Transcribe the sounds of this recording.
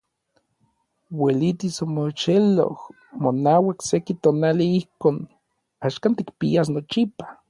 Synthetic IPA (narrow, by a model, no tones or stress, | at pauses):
welit̪isomot͡ʃelo̰h | monawaksekit̪oːnaliihkoːn | aʃkant̪ikpias̬not͡ʃipḁ